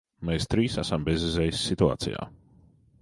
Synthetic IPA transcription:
meːst̪ɾiːsæsambezɛzɛjsʲːit̪ua̰ːt̪sḭja̰ː

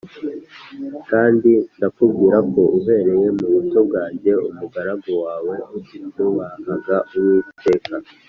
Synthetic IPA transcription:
kaːndindakubɡiːɾako̞ʔuɦe̞ɾe̞je̞muβuto̞b̚ɡaːɲɟe̞ṵmuɡaɾaɡo̞waːwe̞utinuβahaɡaʔuwitʰe̞ːka

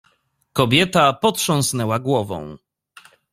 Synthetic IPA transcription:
kɔbʲjɛt̪apɔt̪ʂɔ̃w̃snɛwaɡwɔvɔ̰̃w̃

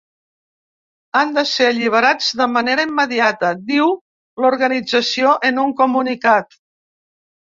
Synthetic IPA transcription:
and̪əseəʎiβ̞əɾad͡zðəməneɾəimːəðiat̪əd̪iw | luɾɣənid͡zəsioʔənuŋkumunikat̪

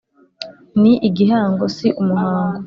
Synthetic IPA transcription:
niʔiɡihaːŋɡosiʔumuɦaːŋɡo

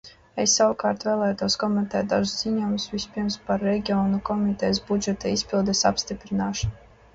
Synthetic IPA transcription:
esːawkaːɾt̪vɛːlˠɛːjt̪uɔskɔmɛnt̪ɛːt̪̚d̪a̰ʒsz̥iɲɔjmusvʲispiɾmspaɾːɛɡʲiɔːnukɔmit̪ɛjs̬bud͡ʒɛt̪aispʲilˠd̪ɛsa̰pst̪ipɾinaːʃɔn

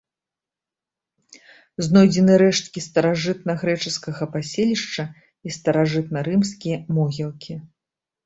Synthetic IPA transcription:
znɔjd͡zʲɛnɨɾɛʂt̪̚kʲist̪ɐɾaʐɨt̪̚nɐɣɾɛt͡ʂɨskɐɣɐpasʲelʲiʂt͡ʂɐ | ist̪ɐɾaʐɨt̪̚nɐɾɨmskʲijɐmɔɣʲilˠkʲʰi

